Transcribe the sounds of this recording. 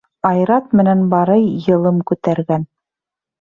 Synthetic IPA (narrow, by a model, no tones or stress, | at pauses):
ɑjɾɑt̪mɘ̆nænbɑɾɤjːɤ̆lˠɤmkʉt̪æɾɡæn